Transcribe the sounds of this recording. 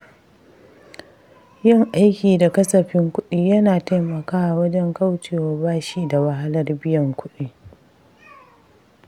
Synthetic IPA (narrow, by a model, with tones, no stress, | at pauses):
jɪ˦˨ŋʔa˦jkʲiː˨da˨kɐ˦sɐ˨ɸɪ˦ŋkʷʊ˦ɗiː˦jɐ˦naː˨ta˦jmɐ˨kaː˦ʔa˨wɐ˦d͡ʒɛ˦ŋka˦wt͡ʃeː˨waː˨baː˦ʃiː˦da˨wɐ˨ɦa˦lɐ˦rbɪ˦jɐ˨ŋkʷʊ˦ɗiː˦